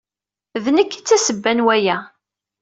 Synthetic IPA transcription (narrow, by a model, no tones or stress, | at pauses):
ðnəkːt͡sːæsəbːænwæjæ